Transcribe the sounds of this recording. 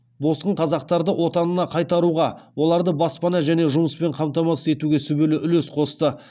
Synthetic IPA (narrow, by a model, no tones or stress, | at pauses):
bo̞sqəɴqʰɑzɑq̚t̪ɑɾd̪əwʔo̞t̪ɑnənɑqʰɑjt̪ɑɾuʁɑwo̞lˠɑɾd̪əbɑspɑnɑʒæne̞ʒʊməspe̞ɴqʰɑmt̪ɑmɑsə̥se̞t̪uɡʲe̞sʏbelɪʔʏlesqʰo̞st̪ə